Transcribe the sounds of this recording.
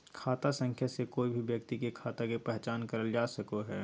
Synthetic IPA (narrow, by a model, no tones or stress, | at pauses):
kʰaːt̪asə̃ŋkʰjasekoːibʱiʋjɐkt̪ikekʰaːt̪akepɛɦt͡ʃaːnkɐɾəld͡ʒaːsɐkoɦɛː